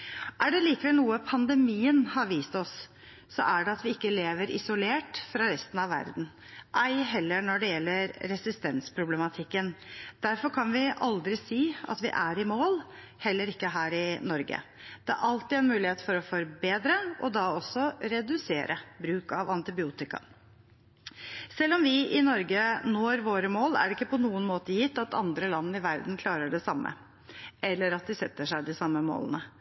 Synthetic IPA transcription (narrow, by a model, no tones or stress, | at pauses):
ʔæɖɛliːkəʋɛlnuːəpʰɑnd̪ɛmiːənhɑɾʋiːst̪ɔsː | ɔ̰ʔæɖɛɑt̪ʋɪɪkːəleːʋəɾʔɪ̰sʊleːʈfɾɑɾɛst̪n̩ɑʋʋæ̰ɾd̪n̩ | ʔæɪɦɛlːənɔɖɛjɛlːəɾːɛsɪst̪ɛnspʰɾʊblɛmɑt̪ʰɪkːənd̪̥æɾfɔɾkʰɑnʋɪʔɑld̪ɾɪsiːɑ̰t̪ʋɪ̰ʔæɾɪmoːl | hɛlːəɾɪkːəɦæːɾɪnɔɾɡə̰ | d̪̥ɛæ̰ɾʔɑlt̪ɪæɪnmʉːlɪheːt̪fɔɾɔfɔɾbeːd̪ɾəʔɔd̪ɑɔsːɔɾɛd̪ʉseːɾʔəbɾʉːkɑʋɑnt̪ɪbɪuːt̪ɪkɑ̰ | sɛlːɔmʋɪʔɪnɔɾɡənoːɾʋoːɾəmoːlæ̰ɖɪkːəpʰɔnuːənmoːt̪əjɪt̪ːɑt̪ɑ̰nd̪ɾəlɑnːəɪʋæɾd̪n̩kʰlɑːɾəɖɛsɑmːə̰ | ʔɛlːəɾɑt̪̚d̪ɪsɛt̪ːəʂæɪd̪ɪsɑmːəmo̰ːlənə